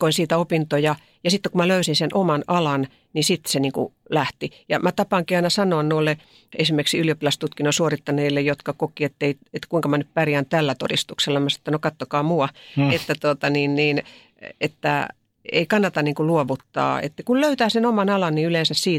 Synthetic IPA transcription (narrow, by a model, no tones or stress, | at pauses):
koinsiːt̪æopint̪ojɑ | jɑsit̪ːekumæløysinsenʔomɑnɑlɑn | nisit̪ːseniːŋkṵlæht̪ijɑmæt̪ɑpɑŋkiɑinɑsɑnoɑnnoilːe | esimːerksiyljopilɑst̪ut̪kinːosuorit̪ːɑneːlːejot̪kɑkokiet̪ːeiet̪kuiŋkɑmænyppæriænt̪ælːæt̪o̰dist̪ukselːɑmɑsi̥t̪ːænokɑt̪ːokɑːmuɑet̪ːæt̪ot̪ɑniːnniːn | ḛt̪ːæ̰ | ḛikɑnːɑt̪ɑnniːŋkuluoʋut̪ːɑ̰ːḛt̪ːkulløyt̪æːsenomɑnɑlɑnniyleːnsæssiːt